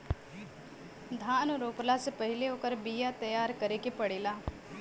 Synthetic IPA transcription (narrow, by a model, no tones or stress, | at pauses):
d̪ʱaːnɾoːplasepəɦɪleoːkəɾbijat̪ɐjaːɾkɐɾekepɐɽeːlaː